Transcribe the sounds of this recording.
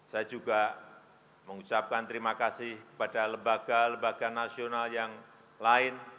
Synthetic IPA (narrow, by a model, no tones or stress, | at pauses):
sajad͡ʒuɡa | məŋut͡ʃap̚kant̪əɾimakasɪhkə̥padaləmbaɡ̥aləmbaɡ̥anasionaljaŋ | laɪn